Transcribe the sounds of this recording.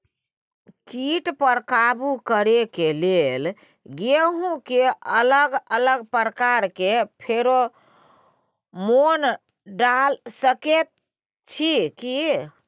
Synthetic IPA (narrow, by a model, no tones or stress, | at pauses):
kiʈpəɾkabukəɾekelel | ɡeɦũkeələɡələɡpɾəkaɾkepʰeɾo | mon | ɖalsəket̪̚ | t͡ʃʰiki